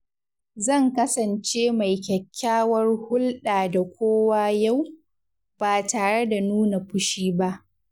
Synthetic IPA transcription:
zɐ˦˨ŋkɐ˦sɐ˨nt͡ʃeː˦ma˨jkʲɐ˨kʲʰːaː˦wɐ˦rhʊ˦lɗaː˨da˨kʷoː˦waː˦ja˦˨w | b̥aː˨taː˨ɽe˦da˨nuː˦na˨ɸʊ˦ʃiː˦ba˦ʔ

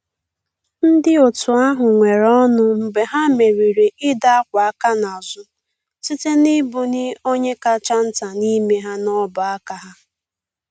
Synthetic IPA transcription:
n̩˦dɪ˦o˨tʊ˨a˦ɦʊ˨ŋʷe˨ɾɔ˦nʊ˦m̩˨be˨ɦa˦me˨ɾi˨ɾe˨ʔɪ˦da˦a˦kʷa˨a˦ka˦na˨zʊ˨ | si˦te˦nɪ˦bʊ˨nɪ˦o˦ɲe˦ka˦t͡ʃa˦n̩˦ta˨ni˦me˦ɦa˦nɔ˦ba˨a˦ka˦ɦa˦

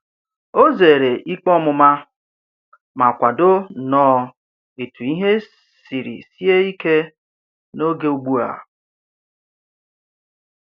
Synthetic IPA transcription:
o˦ze˨ɾe˨ʔi˦k͡pɔ˦mʊ˨ma˦ | ma˨kʷa˨do˦nɔː˦ | e˨tu˨i˦ɦe˦ | si˨ɾḭ˨si˦e˦i˦ke˦ | no˦ɡe˦u˦ɡ͡bu˦a̰˨

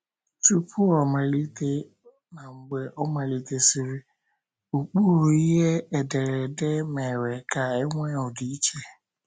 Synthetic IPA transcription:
tu˦pʰʊ˦ɔ˨ma˨li˦te˦ | na˨ŋ͡m̩˨ɡ͡be˨ʔɔ˦ma˨li˦te˦si˦ɾi˦ | u˨k͡po˦ɾo˨i˦ɦe˦ɛ˨de˨ɾɛ˨de˦mɛ˨ɾe˨ka˨e˦ŋʷɛ˦ɔ˨di˨i˦t͡ʃe˦˨

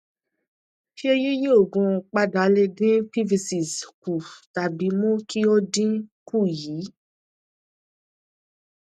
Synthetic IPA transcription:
ʃi˦e˧je˦je˦o˦˨ɡõ˧k͡pa˧da˨˦le˧ɡĩ˦pi˦vi˧si˨sku˨ta˨bi˨˦mõ˦ki˦o˦dĩ˦ku˦˨jiː˨˦

